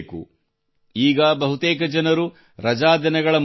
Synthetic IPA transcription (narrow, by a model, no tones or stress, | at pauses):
kṵ | iːɡɐbɐɦut̪eːkɐd͡ʒɐnɐɾu | ɾɐd͡ʒaːd̪ɐnɐɡɐɭɐm